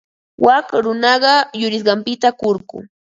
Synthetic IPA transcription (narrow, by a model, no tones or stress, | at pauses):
wʔakɾʊnɑɢɑjʊɾɪs̬ɢɑmpɪt̪akoɾkʊ̰